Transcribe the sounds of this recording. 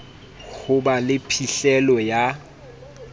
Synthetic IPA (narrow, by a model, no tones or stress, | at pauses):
ɣʊbalɪpʰiɬɛlɔja